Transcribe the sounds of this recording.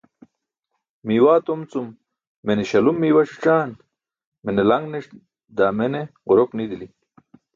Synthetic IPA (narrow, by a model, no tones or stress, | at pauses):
miːwaːt̪omt͡sumː | eneɕɐlumːiːwaʂi̥ʈ͡ʂaːn | menelɐŋɡneʂ | d̪aːmeneʁuɾoknid̪ili